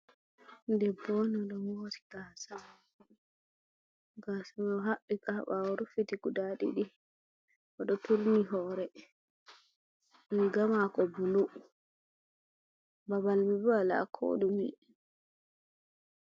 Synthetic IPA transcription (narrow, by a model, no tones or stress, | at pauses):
ndɛbːɔnɔɗɔwoti̥ɡ̥asa | ɡaːsamɔɦaɓːikaɓaɔɾufitikudaɗḭɗi | ʔɔɗɔtuɾniɦɔːɾɛ | miɡamakɔbulu | baβalmibala̰kʰo̰dumḭ